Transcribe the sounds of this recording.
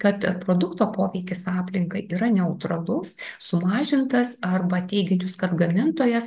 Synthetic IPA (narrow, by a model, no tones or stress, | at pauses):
kɐt̪pɾoːd̪ʊkt̪oːpoːʋʲɛɪkʲɪsɑːpʲlʲɪŋkɐɪʔiːɾɐnʲɛʊt̪ɾɐlˠʊssʊmɑːʒʲɪnt̪ɐsɐrbɐt̪ʲɛɪɡʲɪnʲt͡ʃʲʊskɐt̪ɡɐmʲɪnt̪oːjɛs